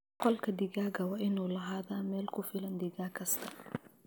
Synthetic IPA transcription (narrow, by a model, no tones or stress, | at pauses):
qɔlkɐd̪ɪɡaːɡɐwaʔɪnulɐɦaːðaːmɛːlkʊfilɐnd̪ɪɡaːkʰɐst̪ʰɐ